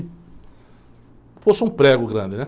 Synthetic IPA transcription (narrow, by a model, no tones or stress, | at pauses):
fosɪũpɾɛɡʊɡɾɐ̃nd̪ɪnɛ